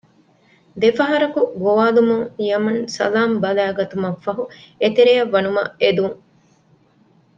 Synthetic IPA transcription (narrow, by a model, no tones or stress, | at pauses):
d̪efɐɦɐɾɐkuɡoʋaːlumuŋjɐmɐnsɐ̰laːmbɐlæːɡɐt̪umɐfːɐɦuet̪eɾejɐʋːɐnumɐ̰ed̪uŋ